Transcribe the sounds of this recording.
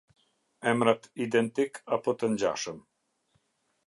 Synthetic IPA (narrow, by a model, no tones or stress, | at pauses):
ɛmɾat̪id̪ɛnt̪ikʰapɔt̪ənd͡ʑa̰ʃəm